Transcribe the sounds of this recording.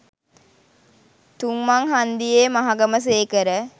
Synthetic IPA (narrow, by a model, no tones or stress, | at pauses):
t̪umːaŋɦand̪ijeːmaɦaɡɐməs̬eːkəɾə